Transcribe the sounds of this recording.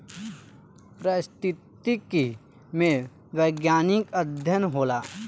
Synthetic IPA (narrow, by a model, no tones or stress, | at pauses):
pɾəst̪ɪt̪iki | mẽ | ʋəːɡjaːnɪkəd̪ʱjənɦoːlaː